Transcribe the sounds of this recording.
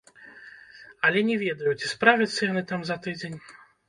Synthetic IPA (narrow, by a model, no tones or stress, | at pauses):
ɐlʲɛnʲɛvʲɛd̪ɐjut͡sʲi̥spɾavʲɐt̪sːɐjanɨt̪amzɐt̪ɨd͡zʲenʲ